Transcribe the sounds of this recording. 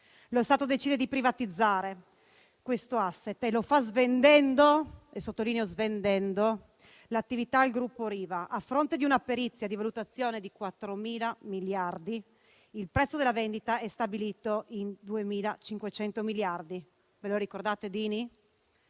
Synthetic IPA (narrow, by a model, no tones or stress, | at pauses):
loɛst̪aːt̪od̪et͡ʃiːd̪ed̪ipɾivat̪id̪zːaːɾe | kwest̪oasːet̪ːelofazvend̪ɛnd̪oesot̪ːoliːneozvend̪ɛnd̪o | lat̪ːivit̪aːlɡɾupːoɾiːvaʔafɾont̪ed̪iunapːeɾit̪sːjad̪ivalut̪at̪sːjoːned̪ikwat̪ːɾomiːlamiljard̪i | ilpɾɛt̪sːod̪elːavɛnd̪it̪aɛst̪abiliːt̪oind̪uemiːlat͡ʃiŋkwet͡ʃɛnt̪omiljard̪i | veloɾikord̪aːt̪ed̪iːni